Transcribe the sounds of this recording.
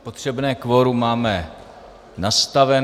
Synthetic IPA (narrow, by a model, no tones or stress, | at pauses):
pot̪r̝̥ɛbnɛːkvoɾumaːmɛ | nast̪avɛ